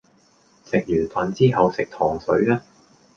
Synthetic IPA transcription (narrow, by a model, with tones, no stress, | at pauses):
sɪ˨k̚jyː˨˩nfɐ˨˩nt͡siː˥ɦɐ˨wsɪ˨k̚t̪ʰɔː˨˩ŋsɵ˨˧˥ɥaː˥